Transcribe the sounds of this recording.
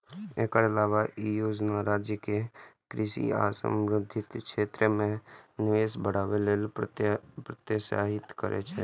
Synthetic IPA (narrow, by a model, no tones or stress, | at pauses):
ekaɾɪlaːʋaʔijoːd͡ʒnaɾaːd͡ʒjəkekɾɪʃḭa̰ːsə̰̃mɾɪd̪ʱːɪt̪kʃeːt̪ɾəmẽnɪʋeːsbəɽ̤aːʋeleːl | pɾət̪jeʃa̰ːɦɪt̪kə̰ɾʔḛt͡ʃʰɛ̰ː